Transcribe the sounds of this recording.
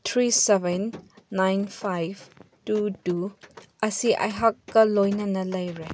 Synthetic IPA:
t̪ʰɾisɛvɛnːajnpʰajvtutu | ɐsiʔa̰jɦakːɐlojnɐnɐlɐjɾe

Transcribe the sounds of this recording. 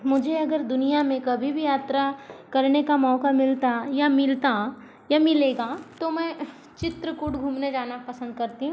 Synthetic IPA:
mʊd͡ʒʱeɐɡəɾd̪ʊnijamẽkɐbʱibʱijaːt̪ɾakɐɾnekamɔːkamɪlt̪ajamɪlt̪a | jamɪleːɡat̪omɛ̃ | t͡ʃɪt̪ɾəkʊɽɡʱũːmned͡ʒaːnapɐsə̃nd̪kɐɾt̪iɦũ

